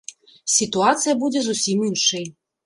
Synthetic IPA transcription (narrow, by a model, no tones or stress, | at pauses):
sʲit̪uat̪sɨjɐbud͡zʲɛzusʲiminʂɨj